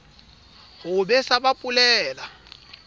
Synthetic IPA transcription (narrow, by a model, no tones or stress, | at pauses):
hʊbɛsabapʼulɛːla